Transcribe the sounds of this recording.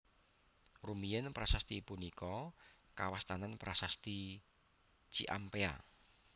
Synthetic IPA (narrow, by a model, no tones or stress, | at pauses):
rumijənpɾasast̪ipunikɔkawast̪ananpɾʔasast̪i | t͡ʃḭʔa̰mpea̰